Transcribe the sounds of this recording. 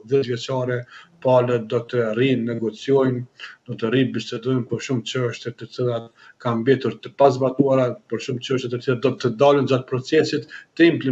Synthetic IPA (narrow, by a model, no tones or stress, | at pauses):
ðɛzvjɛt͡ʃaɾɛpaləd̪ɔt̪ərinːɛɡɔt͡siɔjnd̪ɔt̪əribistɛd̪ɔjnpɔɾʃumt͡ʃəʃt̪ɛt̪ət͡silˠat̪ | kammbɛt̪uɾt̪əpazbat̪uaɾapɔɾʃumt͡ʃəʃt̪jɛt̪ət̪ilad̪ɔt̪əd̪alənd͡ʒat̪̚pɾɔt͡sɛsit̪ːəimpli